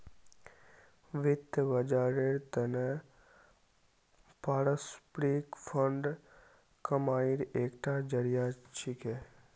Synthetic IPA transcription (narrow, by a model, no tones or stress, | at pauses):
ʋɪt̪ːəbɐd͡ʒaːɾeɾt̪ənə | paːɾəspɾikfʰəɳɖ | kɐmaːiɾeːkʈad͡ʒəɾijat͡ʃʰike